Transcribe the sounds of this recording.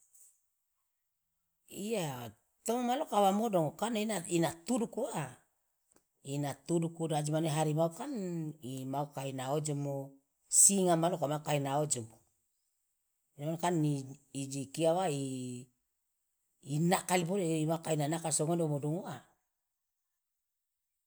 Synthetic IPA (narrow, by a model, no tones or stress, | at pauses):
ia | t̪omomalokawamodoŋokannainat̪udukua | inat̪udukudad͡ʒimaneɦaɾimaukanimaukainaod͡ʒomo | siŋamalokamaukainaod͡ʒomo | inamankaniːd͡ʒikiawai | nakalibodeimakainanakalsoŋodomodoŋoa